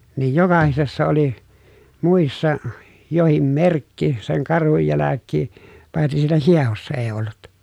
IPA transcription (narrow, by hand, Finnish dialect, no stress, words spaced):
niːj jokɑhisesːɑ oli muˑisːɑ johim merkːi seŋ kɑrhuj jælækːiː pɑitsis siːnæ hiehosːɑ eː olːut